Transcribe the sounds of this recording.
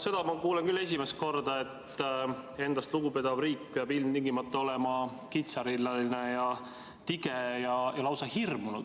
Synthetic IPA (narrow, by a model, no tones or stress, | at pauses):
se̞d̪̥ɑmɑkuːlenkylːe̞s̬ʲimest̪̚ko̞rd̪ɑe̞t̪ː | e̞nd̪ɑst̪luɡ̥uped̪̥ɑvriːk̚ːpeɑbilmt̪iŋɡimɑt̪ˑːɑo̞lɛmɑ | kit̪sɑɾilːɑlinejɑ | t̪iɡ̥e̞jɑjɑlɑwsɑhirmunud̪̥